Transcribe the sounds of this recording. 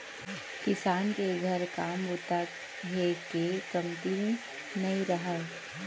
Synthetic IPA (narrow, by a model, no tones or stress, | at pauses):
kɪsaːnkeɡʱəɾkaːmbʊt̪a | ɦekekɐmt̪i | nɐĩɾɐɦəl